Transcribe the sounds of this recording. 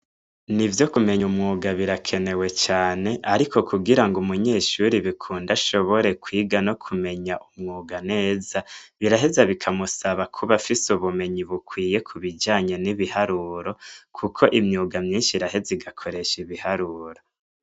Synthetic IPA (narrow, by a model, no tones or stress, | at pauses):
nivjo̞kume̞ɲumŋuːɡaβiɾakʰe̞ne̞we̞t͡ʃaːne̞ʔaɾikʰo̞kʰuɡiɾaŋɡumuɲe̞ːʃuɾiβikʰuːndaʃo̞βo̞ɾe̞kwiːɡano̞kʰume̞ɲaʔumŋuːɡane̞ːzaβiɾaɦe̞zaβikʰamusaβakʰuβafisuβume̞ɲiβukwiːje̞kʰuβid͡ʒaːɲe̞niβihaɾuːɾo̞kʰukʰo̞ʔimɲuːɡamɲiːnʃiɾaɦe̞ziɡakʰo̞ɾe̞ʃiβihaɾuːɾo